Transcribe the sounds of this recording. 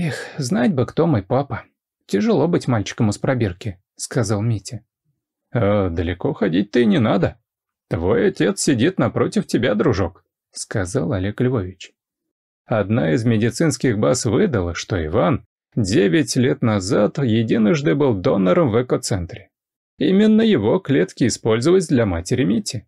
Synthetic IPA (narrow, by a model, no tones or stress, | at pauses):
ixznatʲbɨkt̪o̞mojpapə | tʲɪʐɨlˠo̞bɨtʲmalʲt͡ɕɪ̥kəmʊspɾɐbʲerkʲɪ | skɐzalˠmʲitʲɪ | əd̪əlʲɪko̞xɐdʲit̚ʲt̪ɨnʲɪnad̪ə | t̪vo̞jɐtʲe̞t̪ssʲɪdʲit̪nɐpɾo̞tʲɪftʲɪbʲad̪ɾʊʐo̞k | skɐzalˠɐlʲeklʲvo̞vʲɪt͡ɕ | ɐd̪naɪzmʲɪdʲɪt̪sɨn̪skʲɪɣbasvɨd̪əlˠəʂt̪o̞ɪ̰van | dʲevʲɪtʲlʲet̪nɐzat̪jɪdʲinəʐnɨjbɨlˠd̪o̞nəɾəmvɛkot̪sɛnt̪ɾʲɪ | imʲɪnːəjɪvo̞klʲet̪kʲɪɪspo̞lʲzəvəs̬ʲd̪lʲɐmatʲɪɾʲɪmʲitʲːɪ